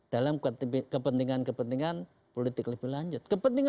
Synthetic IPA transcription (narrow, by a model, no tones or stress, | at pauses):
d̥alaməkəpənt̪iŋankəpənt̪iŋan | polit̪ɪkləb̥ihlaɲd͡ʒʊt̪̚kəpənt̪iŋ